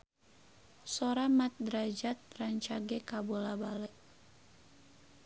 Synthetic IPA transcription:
soɾamat̪̚d̪ɾad͡ʒat̪̚raɲt͡ʃaɡɛkabolabalɛʔ

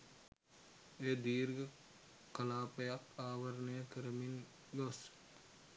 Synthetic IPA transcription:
eːd̪iːɾɡə | kɐlaːpəjakaːʋəɾnəjəkəɾəmin | ɡos

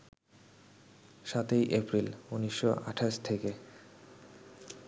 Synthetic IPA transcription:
ʃat̪ejʔepɾiluniʃːoa̰ʈʰaʃt̪ʰeke

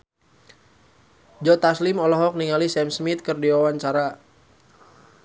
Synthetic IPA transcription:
d͡ʒɔt̪aslimɔlɔɦɔk̚niŋalisɛmsmit̪̚kərdiawaɲt͡ʃaɾa

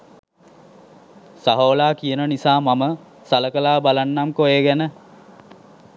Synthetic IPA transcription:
saɦoːlaːkijənənisaːmamə | saləkəlaːbalanːamkojeːɡænə

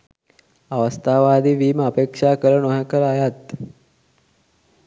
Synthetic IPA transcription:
aʋəst̪ʰaːʋaːd̪iʋiːməapekʂaːkəɾənoɦakəɾəajat̪

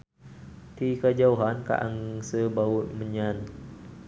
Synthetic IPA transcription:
t̪ikad͡ʒauɦanka̰ʔaŋsəbaut̪̚məɲãn

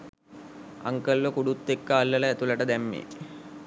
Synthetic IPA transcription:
ɐ̰ŋkɐlːokuɽut̪ːekːɐːlːɐlɐːt̪ulɐʈɐd̪ɛmːḭ

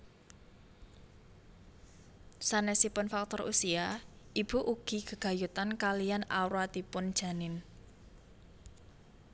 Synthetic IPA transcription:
sanɛsipʊnfak̚t̪ɔrʔṵsiaʔib̥ṳʔuɡ̥i̤ɡ̥ə̤ɡ̥a̤jut̪ankalijanawɾat̪ipʊnd̥ʒ̥a̤nɪn

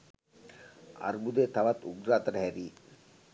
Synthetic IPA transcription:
a̰ɾbud̪eːt̪ɐʋɐt̪uɡɾaːt̪ɐʈɐɦæɾiː

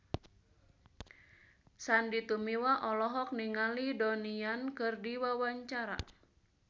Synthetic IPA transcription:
sandit̪umiwaʔɔlɔɦɔk̚niŋalidoniankɨrdiwawaɲt͡ʃaɾa̰

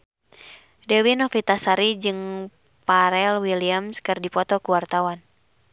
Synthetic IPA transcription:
dɛwinɔfit̪asaɾid͡ʒɨŋ | paɾɛlwiliamskɨrdipɔt̪ɔkuwart̪awan

